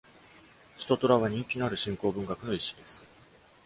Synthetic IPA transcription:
çi̥t̪o̞t̪o̞ɾaβaɲ̟ĩŋkʲinoaɾɯ̟ɕĩŋko̞ːbɯ̟ŋɡakɯ̟no̞iɕid̪e̞sɨ̥

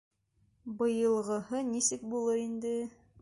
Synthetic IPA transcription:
bɤ̆jɤ̆lˠʁɤ̆hɤnisɘk̚bulˠɤɾind̪ɘ

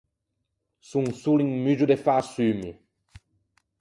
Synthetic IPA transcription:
suŋsuliŋmyʒud̪efasymi

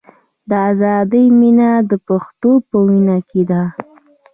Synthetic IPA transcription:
d̪əazɑd̪əjminad̪əpaxt̪opəwinaked̪a

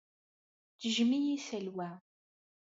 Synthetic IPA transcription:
t͡ʃəʒmijisəlwæ

